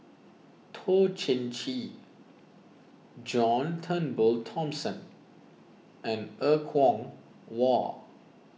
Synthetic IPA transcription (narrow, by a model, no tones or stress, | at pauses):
tʰot͡ʃɛ̃nt͡ʃi | d͡ʒɔ̃ntʰə̃nbəltʰɔ̃msə̃n | ɛ̃nəkʰwɔ̃ŋ | wɔ